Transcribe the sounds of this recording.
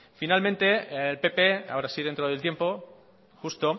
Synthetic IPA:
finalmẽnt̪e̞elpe̞pea̰oɾasiðent̪ɾoð̞elt̪jempo | xust̪o

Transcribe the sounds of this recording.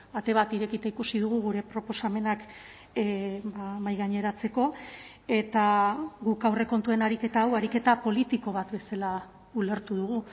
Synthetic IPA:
at̪e̞β̞at̪iɾe̞kit̪aikusiðuɣ̞uɣ̞uɾe̞pɾo̞po̞same̞nak | bamajɣaɲe̞ɾat͡se̞ko̞ | e̞t̪aɣukawre̞ko̞nt̪ue̞naɾike̞t̪aːwaɾike̞t̪apo̞lit̪iko̞β̞at̪be̞sala | ule̞ɾt̪uðuɣu

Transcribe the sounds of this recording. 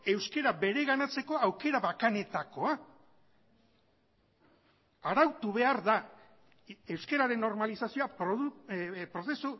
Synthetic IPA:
e̞wske̞ɾaβe̞ɾe̞ɣanat͡se̞ko̞awke̞ɾaβakane̞t̪ako̞a | ɾawt̪uβe̞aɾða | e̞wske̞ɾaɾe̞nːo̞ɾmalisasioapɾoupɾo̞se̞su

